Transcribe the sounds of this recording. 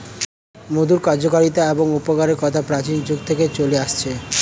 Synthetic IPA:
mud̪ʱuɾkaɾd͡ʑokaɾit̪aeboŋupoɡaɾeɾkɔt̪ʰapɾat͡ɕind͡ʑuɡt̪ʰeket͡ɕoleaʃt͡ɕʰe

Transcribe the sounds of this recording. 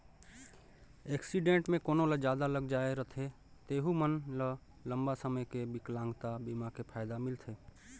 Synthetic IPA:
eːksiɖẽːɳʈmẽkoːnõləd͡ʒjaːd̪aləɡd͡ʒaːeɾət̪ʰe | t̪eːɦumənlə | ləmbasəməjkebɪklãːŋɡt̪abimakepʰaːɪd̪amɪlt̪ʰeː

